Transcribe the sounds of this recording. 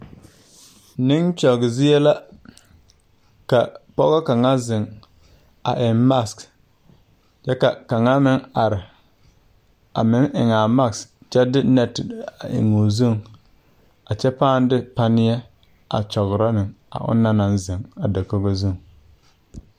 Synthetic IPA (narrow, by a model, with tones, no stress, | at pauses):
nɪ˦ŋt͡ʃɔ˨ɡɪ˨zɪ˦jɛ˦la˦ | ka˨pɔ˦ɣa˦ka˨ŋa˦zɪ˨ŋ | a̰˨ʔɪ˨mma˦˨sk | t͡ʃɛ˦ka˨ka˨ŋa˦mɪ˦ŋa˨ɾɪ˨ | a˨mɪ˦ŋɪ̰˨ŋa˨ma˦˨kst͡ʃɛ˦dɪ˦nɛ˦tɪ˨a̰˨ɪ̰˨ŋo˨zu˦˨ŋ | a˨t͡ʃɛ˦paː˦n˦dɪ˦pa˦nɪ˦jɛ˦ | a̰˨t͡ʃɔ˨ɣɾa˦nɪ˨ŋa̰˨ʔʊ̰˦nːa˦na˨nzɪ˨ŋa˨da˨ko˦ɡo˦zu˦˨ŋ